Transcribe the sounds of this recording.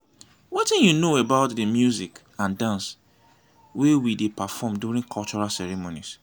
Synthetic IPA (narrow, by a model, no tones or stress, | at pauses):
wɛtɛ̃njunoebaʊtdəmjuzik | ãndãns | wewidepafɔmdjuɹĩŋkʰɔlt͡ʃɔɹalsɛɹɛmonis